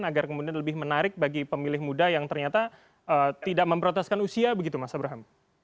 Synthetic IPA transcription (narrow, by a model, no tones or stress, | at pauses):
naɡarkəmudianləbɪhmənaɾɪk̚baɡipəmilɪhmudajaŋt̪ərɲat̪a | ʔəːt̪idaʔməmbəɾoɔnt̪ɛskanusiabəɡit̪umasabəɾaɦam